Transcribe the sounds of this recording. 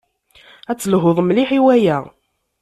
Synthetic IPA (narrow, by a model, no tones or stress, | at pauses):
æt͡sːəlɦoðˤmliħiwæjæ